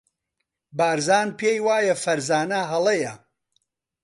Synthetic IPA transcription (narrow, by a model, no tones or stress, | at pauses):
baːɾzaːnpʰeːjwaːjɐfɐɾzaːnɐɦɐlˠɐjɐ